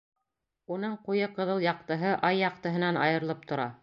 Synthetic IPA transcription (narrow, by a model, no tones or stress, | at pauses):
unɤɴqujɤqɤ̆ðɤlˠjɑq̚t̪ɤ̆ɦɤʔɑjːɑq̚t̪ɤ̆ɦɤ̆nɑnɑ̰jɤ̆ɾlˠɤp̚t̪ʰŏɾɑ̰